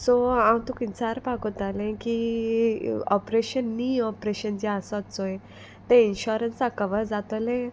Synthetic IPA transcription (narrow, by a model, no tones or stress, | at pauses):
sɔãwt̪ukint͡saɾpakot̪alẽki | ɔ̰pɾeɕənːiɔpɾeɕənd͡ʑiasɔt͡soj | t̪ẽinɕuɾənsakəʋəɾd͡zat̪ɔlẽ